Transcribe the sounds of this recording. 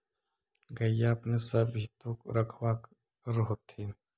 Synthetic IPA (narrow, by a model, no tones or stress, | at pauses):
ɡɐjapnesɐbit̪ukɾɐkʰwak | ɾɦot̪ʰːi